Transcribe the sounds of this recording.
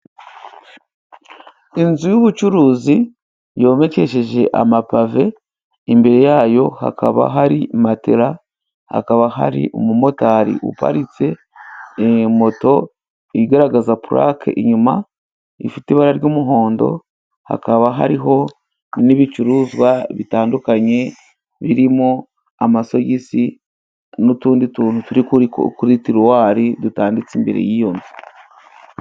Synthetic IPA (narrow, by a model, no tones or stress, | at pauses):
inzujuβut͡ʃuɾuːzi | jo̞ːme̞ce̞ʃe̞ʒe̞ʔamapave̞ | imbe̞ɾe̞jaːjo̞ha̰ka̰βa̰ɦaɾimateɾa | ha̰kaβaɦa̰ɾḭʔomumo̞taɾḭʔṵpa̰ɾit͡se̞ː | mo̞to̞ | iiɡaɾaɡazapuɾʔa̰kʰḛʔiɲuma | ḭfitiβaɾaɾɟomuɦo̞ːndo̞̰ | ha̰kaβaɦa̰ɾiɦo̞ | niβit͡ʃuɾuzwaβitaːndukaɲe̞ | βiɾimo | amaso̞jisi | nutuːndituːnutuɾikukuɾitiɾuwaːɾidutaːndit͡simbeɾe̞̰jijo̞nvi